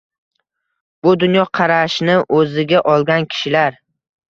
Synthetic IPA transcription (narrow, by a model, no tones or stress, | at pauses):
b̥ʊd̪ʊnjɒqʰɑɾaʃnɪʔɵzɪɡʲaʔɒlˠɡʲankʲʰɪ̥ʃɪlaɾ